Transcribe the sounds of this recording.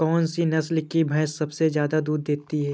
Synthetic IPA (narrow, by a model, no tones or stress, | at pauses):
kɔːnsinɐslkibʱɐːssɐbsezjaːd̪ad̪uːd̪̚d̪eːt̪iɦɛː